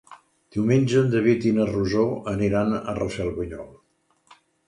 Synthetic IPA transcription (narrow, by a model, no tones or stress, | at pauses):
d̪̥iwmenʲd͡ʒənd̪əβit̪inəruzoəniɾanə̰rəsɛlˠβəɲɔlˠ